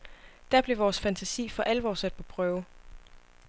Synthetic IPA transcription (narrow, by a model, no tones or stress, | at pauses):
d̥æɐb̥le̝ʋɒːsfænt͡sʰæsḭːfɒ̽ʔæləʋɒ̰ːsæd̥̚pʰɒ̽pʰʁœːʊ